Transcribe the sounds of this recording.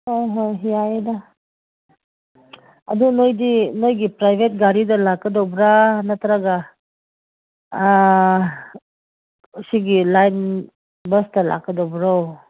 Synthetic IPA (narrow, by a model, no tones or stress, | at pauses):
hojɦojɦijajda | adunojdinojɡipɾajbʱet̚ɡaɾidalakːədɔbɾanatʰaɾaɡa | siɡilajn | bəsdala̰kːədɔwbɾaw